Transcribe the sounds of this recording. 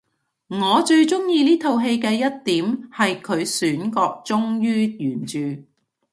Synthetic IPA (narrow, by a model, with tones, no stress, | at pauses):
ŋɔː˨˧t͡ʃɵ˧ɥt͡ʃʊ˥ŋjiː˧liː˥t̪ʰo˨wɦe˧jkɛː˧jɐ˥t̚t̪iː˨˥mhɐ˨jkʰɵ˨˧ɥsyː˨˥nkɔː˧k̚t͡sʊ˥ŋjyː˥jyː˨˩nt͡ʃyː˨